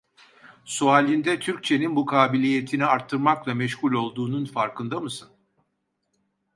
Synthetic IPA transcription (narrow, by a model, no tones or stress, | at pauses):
suaːlʲind̪ɛt̪ʰyɾc̚t͡ʃʰe̞ninbukʰaːbilʲije̞t̪ʰiniaɾt̪ʰːɯɾmaklˠamɛʃhulʲo̞lˠd̪uːnunfaɾkɯnd̪amɯsɯn